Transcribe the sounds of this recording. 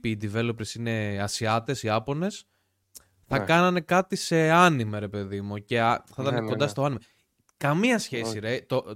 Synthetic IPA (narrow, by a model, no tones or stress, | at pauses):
iːd̪ive̞lo̞pɾesine̞ɐsiɐt̪e̞siɐpo̞ne̞s | θɐkɐnɐne̞kɐt̪ise̞ɐnimeɾe̞pe̞ðimuce̞ɐθɐt̪ɐneko̞nd̪ɐst̪o̞ɐnime | kɐmiɐsçe̞siɾet̪o